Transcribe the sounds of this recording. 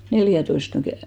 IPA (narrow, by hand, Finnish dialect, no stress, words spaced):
neljæˑtoist mæ